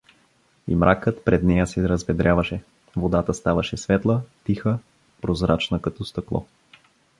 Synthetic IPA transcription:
ḭmɾʔakət̪pɾɛd̪nɛjəsɛɾɐzvɛd̪ɾʲjavɐʃɛ | vod̪at̪əst̪avɐʃɛsvɛt̪lˠət̪ixə | pɾozɾat͡ʃnəkɐt̪ɔst̪ɐklˠɔ̰

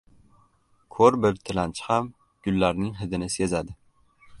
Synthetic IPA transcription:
kʰɵɾbɪɾt̪ʰɪlant͡ʃʰɪ̥ham | ɡ̥ʊlːaɾnɪŋɦɪd̪ɪnɪse̞zad̪ɪ

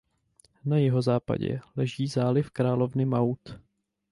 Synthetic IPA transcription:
najɪɦo̞zaːpa̰ɟɛ̰lɛʒiːzaːlɪfkɾaːlo̞vnɪmawt̪

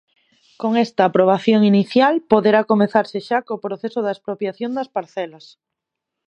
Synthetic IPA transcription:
koŋest̪aːpɾoβ̞aθjoŋiniθjalpoðeɾakomeθaɾseʃakoːpɾoθesoðaspɾopjaθjond̪aspaɾθɛlas

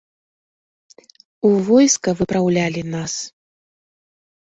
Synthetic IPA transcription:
uvɔjskɐvɨpɾawlʲalʲinas

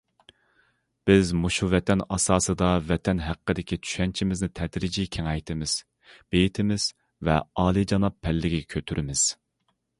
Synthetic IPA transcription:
b̥ɪzmuʃuvɛt̪ʰɛnɑsɑːsɨd̪ɑvɛt̪ʰɛnɦæqːəd̪ɪkʲit͡ʃʰy̥ʃɛnt͡ʃʰimɪznɪt̪ʰɛd̪ɾid͡ʒikʲʰeŋɛjt̪ʰɪmɪz̥ | b̥ejit̪ʰɪmɪz̥ | vɛ̰ɑːlˠid͡ʒɑnɑpʰːɛlːɪɡʲikʲʰøt̪ʰyɾʔɪmɪz̥

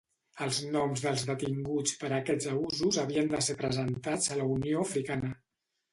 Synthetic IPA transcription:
əlˠznɔmzðəlˠzðət̪iŋɡut͡spəɾəkɛd͡zəuzuzəβiənd̪əsepɾəzənt̪ad͡zələunioəfɾikanə

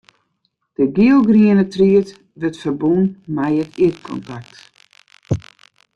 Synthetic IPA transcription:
d̥əɡiəlˠɡriənətriət | ʋətfərbunmɛjətʰitkʰɔ̰ntak̚t

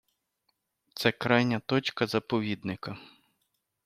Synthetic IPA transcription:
t̪sɛkɾajnʲɐt̪ɔt͡ʃkɐzɐpɔʋʲid̪nɪkɐ

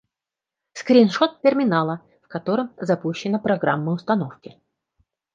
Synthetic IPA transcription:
skɾʲɪnʂot̪̚tʲɪrmʲɪnalˠə | fkɐt̪o̞ɾəmzɐpuɕːɪnəpɾɐɡɾamːəʊst̪ɐnofkʲɪ

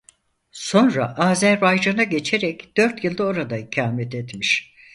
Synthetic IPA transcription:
so̞nɾaʔaːzæɾbajd͡ʒanaɟe̞t͡ʃʰeɾɛcd̪̥ø̞ɾt̪jɯlˠd̪aoɾad̪aicʰaːmɛt̪ʰet̪miʃ

